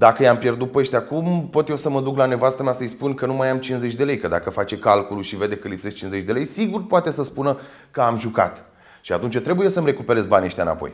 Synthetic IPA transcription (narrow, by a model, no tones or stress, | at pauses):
d̪akəjampje̞rd̪ut̪̚pəʃt̪eakumpo̞t̪jesəməd̪uklane̞vast̪ameasəjspunkənumajamt͡ʃinze̞t͡ʃʲd̪e̞le̞jkəd̪a̰kəfat͡ʃe̞kalkuluʃive̞d̪e̞kəlipseʃt͡ʃinze̞t͡ʃʲd̪e̞lejsiɡurpoat̪e̞səspunə | kəamʒuka̰t̪ | ʃiat̪unt͡ʃat̪ɾe̞buje̞səmre̞kupe̞ɾe̞zbaniəʃt̪ʲaɨna̰po̞̰j